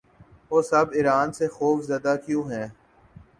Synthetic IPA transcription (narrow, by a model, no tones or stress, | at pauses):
oːsɐbɪɾaːnsexoːfzjaːd̪akjũːɦɛ̃ː